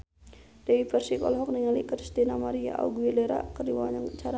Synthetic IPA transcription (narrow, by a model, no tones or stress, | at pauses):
d̥eibərsikɔ̰lɦɔk̚niŋalikɾist̪inamaɾia̰ʔa̰uɡuileɾa̰kərdiwaɲaŋt͡ʃaɾa